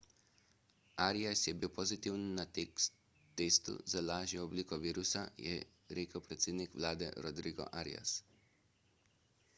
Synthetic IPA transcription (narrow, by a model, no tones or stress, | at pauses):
aɾiasjɛbiwpɔzit̪iwnːa | t̪ːeːst̪ṵzalaːʒjɛɔbliːkɔʋiːɾusajɛ̰ | ɾeːkəwpɾɛt̪seːd̪nikʋlaːd̪ɛ̰ɾɔd̪ɾiɡɔ̰ʔaɾḭa̰s